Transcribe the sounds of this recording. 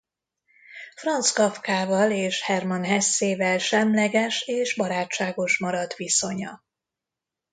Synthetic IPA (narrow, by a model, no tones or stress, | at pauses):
frɒnt̪skɒfkaːvɒleːʃhɛrmɒnɦɛsːeːvɛlʃɛmlɛɡɛʃeːʒbɒɾaːt͡ʃːaːɡo̞ʃmɒɾɒt̪ʋiso̞ɲɒ